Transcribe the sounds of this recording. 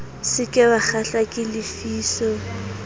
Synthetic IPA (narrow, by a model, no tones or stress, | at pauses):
sɪkʼɪbak͡xaɬakʼɪlɪfiːsɔ